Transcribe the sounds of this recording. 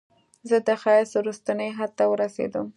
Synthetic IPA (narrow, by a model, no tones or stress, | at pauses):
zəd̪əxɑjɪswɾust̪anəjɦad̪̚t̪awəɾasḛd̪əm